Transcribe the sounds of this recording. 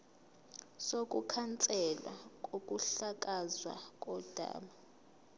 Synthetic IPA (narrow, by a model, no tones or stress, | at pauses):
sok̬ʼukʰant͡sʼɛlwa̰k̬ʼokʼuɬak̬ʼazwa̰k̬ʼɔd̥ʱa̰ːma